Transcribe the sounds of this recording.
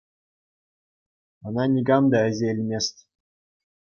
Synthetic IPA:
ɤ̆nɑnʲiɡɑmd̪ɑɘ̆zʲelʲmʲesʲt̪ʲ

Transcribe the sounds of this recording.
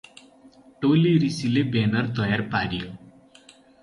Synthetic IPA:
ʈoliɾisilebenʌrt̪ʌjaɾpaɽijo

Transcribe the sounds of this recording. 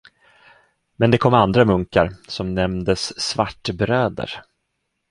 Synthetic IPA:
mɛnd̪ɛkʰɔmːand̪ɾamɵŋkaɾsɔmnɛmnd̪əsːvaʈːbɾøːd̪ə̰ɾ

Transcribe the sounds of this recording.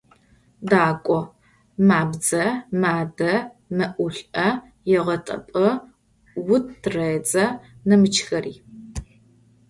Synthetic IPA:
daːkʷʼɔ | maːbd͡zɐmaːdɐ | mɐʔʊɬʼɐ | jɛʁɐtʼɐ̰pʼɨ | wʊtrɐd͡zɐnɐmɨt͡ʃʰxɐriː

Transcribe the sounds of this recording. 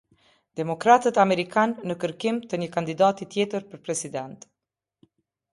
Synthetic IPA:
d̪̥ɛmɔkɾat̪ət̪amɛɾikanːəkəɾkimt̪əɲəkand̪id̪at̪it̪jɛt̪əɾpəɾpɾɛsid̪ɛnt̪

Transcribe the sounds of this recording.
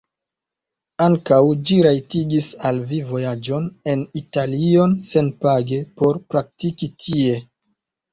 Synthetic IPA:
aŋkawd͡ʒiɾajtiɡisalvivo̞jad͡ʒo̞ne̞nitalio̞nse̞npaɡe̞po̞ɾpɾak̚tikitʰie̞

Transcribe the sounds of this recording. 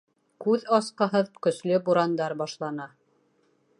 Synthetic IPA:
kʉðɑsqɤ̆ɦɤðkɵ̆slɵbuɾɑnd̪ɑɾbɑʃlˠɑnɑ

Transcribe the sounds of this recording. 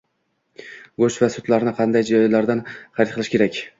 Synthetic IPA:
ɡot͡ʃvasʊt̪laɾnɪqʰɑnd̪ajd͡ʒɒjlaɾd̪anχɑɾɪt̪qʰɨlˠɪʃkʲe̞ɾakʲ

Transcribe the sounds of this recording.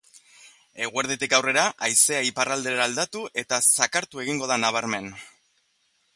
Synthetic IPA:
e̞ɣ̞ueɾðet̪ikawre̞ɾaʔajse̞aiparald̪e̞ɾaːld̪at̪uʔe̞t̪asakaɾt̪ue̞ɣiŋɡo̞ð̞anaβ̞aɾme̞n

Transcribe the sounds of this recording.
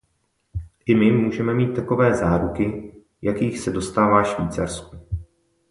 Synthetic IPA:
ʔɪmɪmːuːʒɛmɛmiːt̪ːako̞vɛːzaːɾukɪ | jakiːxsɛdo̞st̪aːvaːʃviːt͡saɾsku

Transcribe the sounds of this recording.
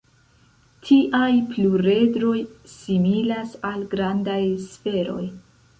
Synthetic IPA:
tʰiʔajpluɾe̞dɾo̞jsimilasalɡɾandajsfe̞ɾo̞̰j

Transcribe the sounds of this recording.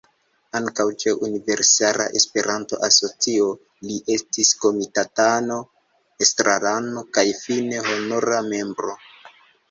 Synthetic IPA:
aŋkawt͡ʃe̞ʔunive̞ɾsala̰ʔe̞spe̞ɾʔanto̞ʔaso̞t͡sio̞ | liʔe̞stisko̞mitatano̞ | estɾʔalano̞kajfine̞honoɾame̞mbɾo̞

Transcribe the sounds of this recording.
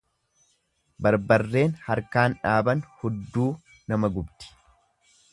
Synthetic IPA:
bɐɾbɐrːe̞ːnhɐɾkaːnᶑaːbɐnhɔd̪ːuː | nɐmɐɡʊbt̪ɪ̥

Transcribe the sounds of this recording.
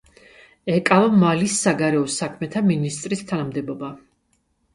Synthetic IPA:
ɛkʼavamalisːaɡaɾɛɔsakʰmɛt̪ʰaminist̪ʼɾist̪ʰanamd̪ɛbɔba

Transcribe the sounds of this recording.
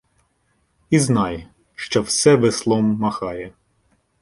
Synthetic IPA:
iznɑj | ʃt͡ʃɔwsɛʋɪslˠɔmːɐxɑjɛ

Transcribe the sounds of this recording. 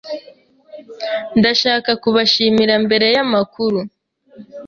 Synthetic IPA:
ndaʃaːkakuβaʃiːmiɾambe̞ɾe̞jamakuɾu

